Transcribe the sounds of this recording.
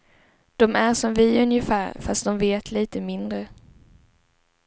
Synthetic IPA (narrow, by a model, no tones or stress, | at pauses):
d̪̥ɔmæɾʂɔmvɪɵnjəfæːɾfast̪̚d̪ɔmveːt̪liːt̪əmɪnd̪ɾə